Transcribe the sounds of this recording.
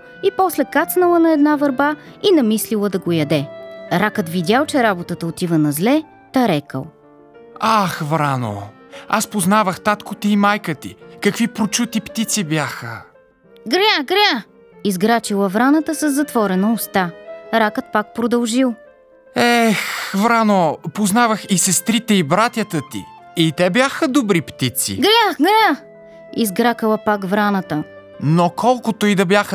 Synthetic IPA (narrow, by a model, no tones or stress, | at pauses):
ipɔslɛkat̪snɐlˠənɐɛd̪navɐɾbainɐmislilˠəd̪ɐɡojɐd̪ɛɾakət̪vid̪ʲalˠt͡ʃɛɾabot̪ət̪əot̪ivənɐzlɛ | t̪aɾɛkə̰lˠ | axvɾano̰ | aspoznavəxt̪at̪kʊt̪iimajkət̪ikɐkvipɾot͡ʃut̪ipt̪it̪sibjaxə | ɡɾjaɡɾja | izɡɾat͡ʃilˠəvɾanət̪əsəzːɐt̪vɔɾɛnoʊst̪aɾakət̪̚pak̚pɾod̪ɐlˠʒilˠ | ɛxvɾanopoznavəxisɛst̪ɾit̪ɛibɾat̪ʲjət̪ət̪ḭ | it̪ɛbjaxəd̪obɾipt̪it̪sḭɡɾʲaɡɾʲa | izɡɾakəlˠəpakvɾanət̪ə | nokʰɔlˠkot̪oid̪ɐbjaxə